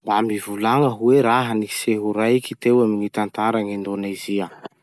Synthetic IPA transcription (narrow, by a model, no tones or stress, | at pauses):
mbamivulaŋəɦuweɾaɦəniseɦuɾajkit̪ewaminit̪ant̪aɾaŋind̪onaziə